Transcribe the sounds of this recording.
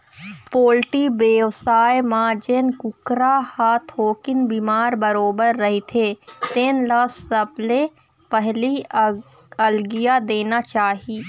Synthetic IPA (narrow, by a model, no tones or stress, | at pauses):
poːlʈibeːʋsaːemãd͡ʒeːnkʊkɾahaːt̪ʰɦoːkɪnbiːmaːɾbəɾoːbəɾːɐɦit̪ʰet̪eːnlasəble | pɛɦli | ɐlɡijad̪eːnat͡ʃaːɦiː